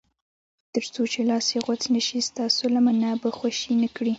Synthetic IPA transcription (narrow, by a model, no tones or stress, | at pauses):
t̪əɾt͡sot͡ʃelɑseɣat͡snəʃist̪ɑsolamanabaxwaʃinəkɽi